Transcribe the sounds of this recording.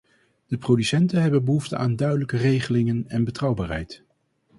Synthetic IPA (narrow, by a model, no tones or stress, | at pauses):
d̥əprowdysɛntənɦɛbənbəɦuftəaːndœɥdələkərejχəlɪŋənɛnbətrɑwbaːrɦɛ̰jt